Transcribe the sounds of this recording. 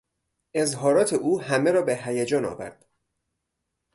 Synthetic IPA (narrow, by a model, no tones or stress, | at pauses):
ʔe̞zɦɒːɾɒːt̪ʰe̞ʔuːhæmeɾɒːbeɦæjæd͡ʒɒːnɒ̰ːvæ̰ɾd̪̥